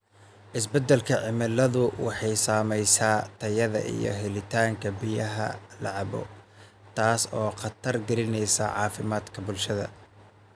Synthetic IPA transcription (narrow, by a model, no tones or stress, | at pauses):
ʔɪsbɛd̪ɛlkʰɐʕɪmɪlɐðʊwɑħɑjsaːmɛjsaːt̪ʰɐjɐðɐ̰ʔḭjɞ̰ɦɛlɪt̪ʰaːŋkʰɐbɪjɐɦɐ̰lɑʕɑβɔ̰ | t̪ʰaːsɔːqɑt̪ʰɐrɡɐɾɪnɛjsɐ̰ʕɑːfɪmaːd̪kʰɐbʊlʃɐðɐ̰